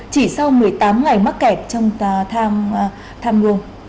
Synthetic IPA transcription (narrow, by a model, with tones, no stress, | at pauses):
t͡ɕi˧˩sa˧wmɨ˨˩əjt̪aː˨˦mŋa˨˩jma˦˥t̚kɛ˨˩p̚t͡ɕɔ˧wŋ͡mt̪ʰaː˧ | t̪ʰaː˧mlu˧əŋ